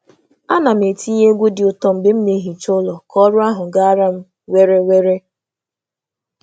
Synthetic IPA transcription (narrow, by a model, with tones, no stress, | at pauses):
a˦na˨m̩˨e˨ti˦ɲe˦ɡʷu˦dɪ˨ʊ˨tɔ˦m̩˨bɪ˨m̩˦ne˨˦ɦi˨t͡ʃʊ˦lɔ˨kɔ˦ɾʊ˦a˦ɦʊ˨ɡa˦a˦ɾa˦m̩˦ | we˦ɾe˦we˦ɾe˦